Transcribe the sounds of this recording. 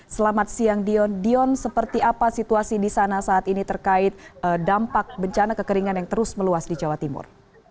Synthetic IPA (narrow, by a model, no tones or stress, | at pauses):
səlamat̪̚siaŋdiɔndiɔnsəpərt̪iapasit̪uasidisanasaːt̪init̪ərkaɪt̪̚ədampak̚bəɲt͡ʃanakəkəɾiŋanjaŋt̪əɾʊsməluasdid͡ʒawat̪imʊ̰r